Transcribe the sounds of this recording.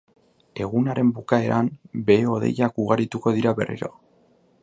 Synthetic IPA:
e̞ɣ̞unaɾe̞mbukae̞ɾʔambe̞o̞ðe̞̰jakuɣaɾit̪uko̞ðiɾaβe̞̰rḭɾo̞̰

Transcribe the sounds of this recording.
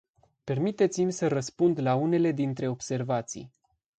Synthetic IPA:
pe̞rmit̪e̞t̪simʲsərəspund̪laune̞le̞d̪int̪ɾe̞o̞bse̞rvat̪sḭj

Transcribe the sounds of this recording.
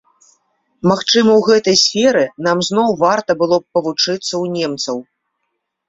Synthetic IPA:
maxt͡ʂɨmɐwɣɛt̪ɐjsʲfʲɛɾɨnamzn̪ɔwvart̪ɐbɨlˠɔppːɐvut͡ʂɨt̪sːɐwnʲɛmt̪sɐw

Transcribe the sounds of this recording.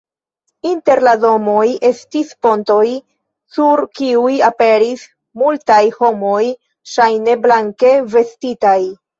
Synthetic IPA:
inte̞ɾlado̞mo̞je̞stispo̞nto̞j | suɾkiujape̞ɾis | multajho̞mo̞j | ʃajne̞blaŋke̞ve̞stitaj

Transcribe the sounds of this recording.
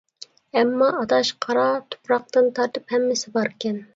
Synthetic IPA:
ɛmːɑɑt̪ɑʃqʰɑɾɑt̪ʰo̥pɾɑq̚t̪ɨnt̪ʰɑɾt̪ɨphɛmːɪsɪbɑɾkʲɛn

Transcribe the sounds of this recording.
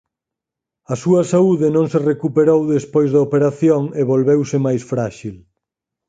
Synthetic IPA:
ɐsuɐsauðɪnõŋserekupeɾowðespojzðɐopeɾaθjoŋeβolβewsɪmajsfɾaʃil

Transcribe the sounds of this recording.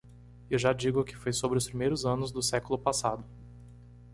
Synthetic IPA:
ewʒad͡ʒiɡʊkɪfojsobɾɪʊspɾimejɾʊzɐ̃nʊzd̪ʊsɛkʊlʊpasad̪ʊ

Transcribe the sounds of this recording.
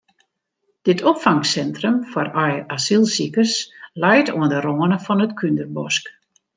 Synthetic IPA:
d̥ɪtʰɔpfaŋsɛntrəmfɔrɔjasilˠsikəslɛjtʰoəndəɾoənəfɔnətkʰyndərbɔsk

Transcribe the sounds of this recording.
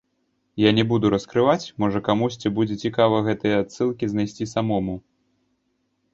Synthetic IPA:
janʲɛbud̪uɾɐskɾɨvat͡sʲmɔʐɐkamusʲt͡sʲibud͡zʲɛt͡sʲikavɐɣɛt̪ɨjɛat̪sɨlˠkʲiznajsʲt͡sʲisamɔmu

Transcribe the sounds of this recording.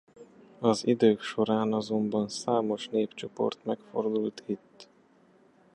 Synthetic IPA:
ɒzid̪øːkʃo̞ɾaːnɒzo̞mbɒnsaːmo̞ʃneːpt͡ʃo̞po̞̰rt̪mɛkfo̞̰rd̪ult̪ʰit̪ː

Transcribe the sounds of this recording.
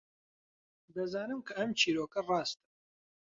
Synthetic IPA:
d̪ɐzaːnɨmkʰɐɐmt͡ʃʰiːɾoːkɐrɑːst̪ɨ

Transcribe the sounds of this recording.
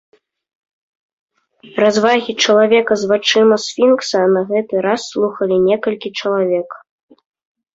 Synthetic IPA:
razvaɣʲit͡ʂɐlˠavʲɛkɐzvat͡ʂɨmɐsfʲinksɐnɐɣɛt̪ɨɾasːlˠuxɐlʲinʲɛkɐlʲkʲit͡ʂɐlˠavʲɛk

